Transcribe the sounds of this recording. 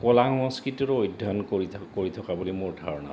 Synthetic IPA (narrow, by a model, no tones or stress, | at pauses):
kɔlahɔŋskɹitɔɹojdʱɔnkikoɹit̪ʰɔkabulimuɹdʱaɹɔnɔ̰